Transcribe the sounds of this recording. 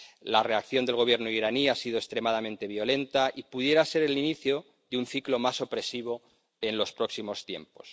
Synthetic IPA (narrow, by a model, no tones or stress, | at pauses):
lare̞akθjo̞nd̪e̞lɣ̞o̞β̞je̞ɾnoiɾaniasiðokst̪ɾe̞mað̞amẽnt̪e̞β̞jolẽ̞nt̪aʔipuðje̞ɾase̞ɾeliniθjo̞ | ðeunθiklo̞maso̞pɾe̞siβ̞o̞ | e̞nlo̞spɾo̞ksimo̞st̪je̞̰mpo̞̥s